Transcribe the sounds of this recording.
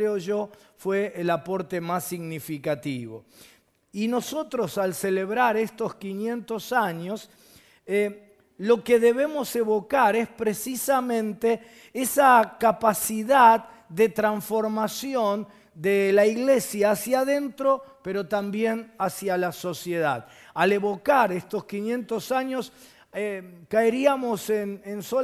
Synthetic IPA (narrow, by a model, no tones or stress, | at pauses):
ɾeoʒo | fweːlapo̞ɾt̪e̞masːiɣnifikat̪iβo̞̰ | ino̞so̞t̪ɾo̞salse̞leβɾaɾe̞st̪o̞skinje̞nt̪o̞saɲo̞s | e | lo̞keðe̞βe̞mo̞se̞βo̞kaɾe̞spɾesisamẽ̞nt̪e | esakapasiðad | d̪e̞t̪ɾaɱsfo̞ɾmasjon | d̪elaiɣle̞sjaːsjaðe̞nt̪ɾo̞pe̞ɾo̞t̪ambjenasjalaso̞sje̞ða̰ð | ale̞βo̞kaɾest̪o̞skinjẽ̞nt̪o̞saɲo̞s | ekaeɾiamo̞senenso